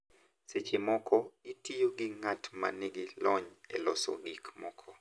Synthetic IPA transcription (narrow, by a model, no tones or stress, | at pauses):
set͡ʃɪmɔkʰɔitijoɡɪŋatma̰nɪɡɪlɔɲɛ̰lɔsɔ̰ɡikmɔkʰɔ